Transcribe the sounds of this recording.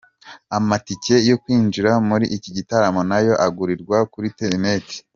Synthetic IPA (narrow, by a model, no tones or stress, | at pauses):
amatice̞jo̞kwiːnd͡ʒiɾamuɾiʔːciɟitaɾamo̞najo̞ʔaɡuɾiɾɡwakuɾiteɾneti̥